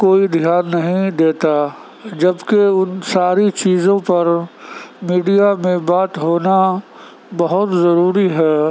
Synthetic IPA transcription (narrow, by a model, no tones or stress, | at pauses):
koːid̪ʱjaːnːɐɦĩd̪eːt̪a | d͡ʒɐbkeʊnsaːɾit͡ʃiːzõpɐɾ | miːɖijamẽbaːt̪ɦoːna | bɐɦʊt̪zɐɾuːɾiɦɛː